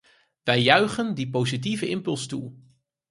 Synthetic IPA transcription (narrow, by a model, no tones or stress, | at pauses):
ʋɛjːœɥχəndipowzit̬ivəʔɪmpɵlˠstu